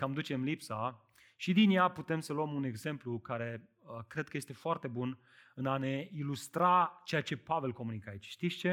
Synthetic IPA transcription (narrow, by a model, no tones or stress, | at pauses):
kamd̪ut͡ʃe̞mlipsa | ʃid̪injaput̪e̞msəluəmune̞ɡze̞mplukaɾe̞ | əkɾe̞d̪̚kəje̞st̪e̞foart̪e̞bun | ɨnane̞ilust̪ɾat͡ʃe̞jat͡ʃe̞pave̞lko̞munikəait͡ʃʃt̪ist͡ʃe̞